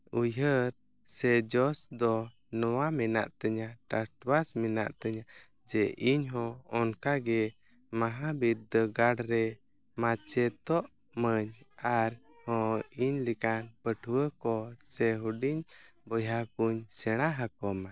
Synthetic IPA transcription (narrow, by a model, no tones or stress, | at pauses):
ujəɾ | sɛd͡ʒɔsd̪ɔ | nɔwamɛna̰ʔt̪əɲaʈaɾʈwasmɛna̰ʔt̪əɲa | d͡ʒɛʔiɲɦɔ̃ɔnkaɡɛ | maɦabit̪̚d̪əɡaɽɾɛ | mat͡ʃɛt̪ɔʔ | məɲaɾ | hɔ̃iɲlɛkanpəʈʰwəkɔsɛɦuɖiɲbɔjakuɲsɛɽ̃aɦakɔma